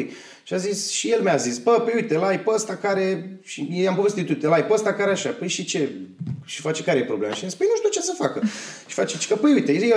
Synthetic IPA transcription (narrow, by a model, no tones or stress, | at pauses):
j | ʃiazisʃijelmjazisbəpəjujt̪elajpəəst̪akaɾe̞ʃijejambovest̪it̪uit̪elajpəəst̪akaɾeaʃapəjʃit͡ʃe̞ʃi̥fat͡ʃekaɾejepɾo̞blema̰ʃiazispəjnuʃt̪iuwt͡ʃe̞səfakəʃi̥fat͡ʃet͡ʃkəpəjujt̪ee